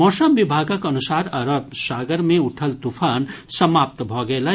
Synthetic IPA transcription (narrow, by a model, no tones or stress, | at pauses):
mɔːsəmʋibʱaːɡəkɐnusaːɾɐɾəpsaːɡəɾmẽuʈʰəlt̪ufʰaːnsɐmaːp̚t̪bʱɔɡɐelɐ